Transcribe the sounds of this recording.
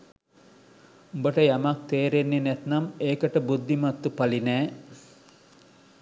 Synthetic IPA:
ubəʈəjamak̚t̪eːɾenːenɛt̪nameːkəʈəbud̪ːimɐt̪ːupalinæː

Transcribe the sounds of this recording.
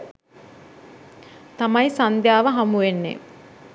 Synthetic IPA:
t̪amɐjsand̪jaːʋəɦamuʋenːḛ

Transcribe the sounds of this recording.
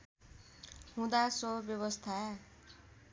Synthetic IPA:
hũd̪asobjʌβʌst̪ʰa

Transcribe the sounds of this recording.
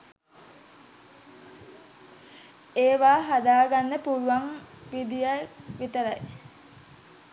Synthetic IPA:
eːʋaːɦad̪aːɡanːəpuluʋaŋʋid̪ijaʋit̪əɾaj

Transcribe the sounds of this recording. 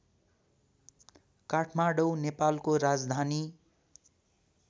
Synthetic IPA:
kaʈʰmaɽownepalkoɾad͡zd̪ʱani

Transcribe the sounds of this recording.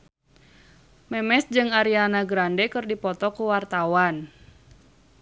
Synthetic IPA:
mɛmɛsd͡ʒɨŋaɾianaɡɾandɛkɨrdipɔt̪ɔkuwart̪awan

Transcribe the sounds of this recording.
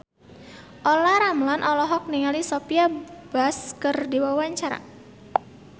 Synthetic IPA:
ʔolaɾamlanʔɔlɔɦɔk̚niŋalisopiab̥askərdiwawaɲt͡ʃaɾa̰

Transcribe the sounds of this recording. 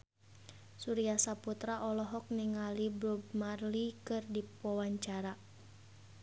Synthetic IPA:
suɾiasaput̪ɾaʔɔlɔɦɔk̚niŋalibɾub̚marlikɨrdipɔwaɲt͡ʃaɾa

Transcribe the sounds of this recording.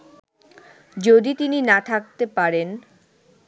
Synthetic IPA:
d͡ʑod̪it̪ininat̪ʰak̚t̪epaɾen

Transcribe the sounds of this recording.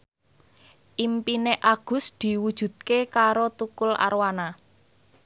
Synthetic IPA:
ʔimpineʔaɡ̥ʊ̤sd̪̥i̤wud̥ʒ̥ṳt̪̚kekaɾot̪ukʊla̰ɾwana

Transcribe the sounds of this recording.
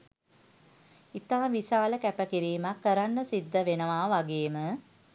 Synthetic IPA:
it̪aːʋisaːləkæpəkiɾiːmakːəɾanːəsid̪ːəʋenəʋaːʋaɡeːmə

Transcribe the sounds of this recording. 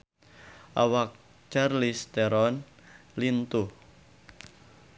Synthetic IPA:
ʔawak̚ | t͡ʃarlist̪ɛɾɔn | lint̪uh

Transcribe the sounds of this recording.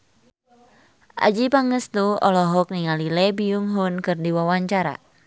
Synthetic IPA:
ʔa̰d͡ʒipaŋəst̪uɔ̰lɔɦɔk̚niŋalilɛbijuŋɦunkɨrdiwawaɲt͡ʃaɾa̰

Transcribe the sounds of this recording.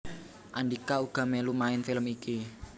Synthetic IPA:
ʔanɖikauɡ̥a̤mɛlumaɪnfiləmiki

